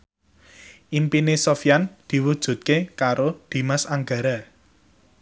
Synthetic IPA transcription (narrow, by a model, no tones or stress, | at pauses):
ʔimpinesofjand̪̥i̤wud̥ʒ̥ṳt̪̚kekaɾod̪̥i̤masaŋɡa̤ɾa